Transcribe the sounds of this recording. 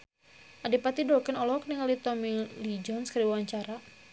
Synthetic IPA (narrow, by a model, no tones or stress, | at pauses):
ʔadipat̪idɔkɛnɔlɔkniŋalit̪ɔmilid͡ʒɔnskaɾiwawaɲt͡ʃaɾa